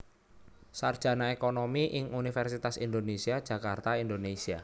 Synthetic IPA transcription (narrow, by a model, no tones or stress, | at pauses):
sard̥ʒ̥ä̤naekonomiʔɪŋunifɛrsit̪asind̪onesiad̥ʒ̥ä̤kart̪aind̪onesia